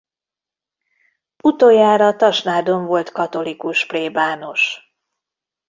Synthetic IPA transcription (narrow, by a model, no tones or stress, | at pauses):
ut̪oːjaːɾɒt̪ɒʃnaːd̪o̞ɱvo̞lt̪kɒt̪o̞likuʃpleːbaːno̞ʃ